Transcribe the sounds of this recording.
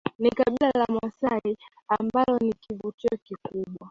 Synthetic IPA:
nikaɓilalamwasai | ambalɔnikivutiɔkikuɓwa

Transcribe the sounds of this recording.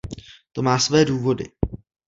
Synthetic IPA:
t̪o̞maːsvɛːduːvo̞dɪ̰

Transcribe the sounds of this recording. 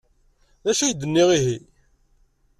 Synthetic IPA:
ðæʃæjd̪ːənːiʁiɦi

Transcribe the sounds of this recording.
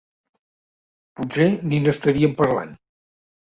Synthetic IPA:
puseninəst̪əɾiəmpəɾla̰n

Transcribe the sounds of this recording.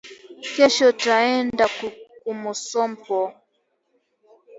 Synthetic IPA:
kɛʃɔtaɛndakkumusɔmpɔ

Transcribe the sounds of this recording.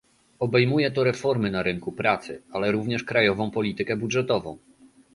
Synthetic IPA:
ɔbɛjmujɛt̪ɔɾɛfɔɾmɘnaɾɘŋkupɾat̪sɘ̰alɛɾuvɲɛʂkɾajɔvɔ̃w̃pɔlʲit̪ɘkɛbudʐɛt̪ɔvɔ̰̃w̃

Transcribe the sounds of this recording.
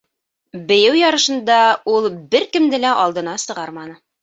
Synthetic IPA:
bɘ̆jɘwjɑɾɤ̆ʃɤ̆nd̪ɑulˠbɘɾkɘ̆md̪ɘlæʔɑlˠd̪ɤ̆nɑsɤ̆ʁɑɾmɑnɤ

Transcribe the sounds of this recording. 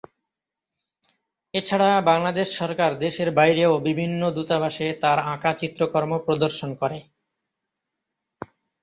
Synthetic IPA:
et͡ɕʰaɽabaŋlad̪eʃːɔɾkaɾd̪eʃeɾbajɾeobibʱinːod̪ut̪abaʃet̪aɾãkat͡ɕit̪ːɾokoɾmopɾod̪oɾʃonkɔɾe

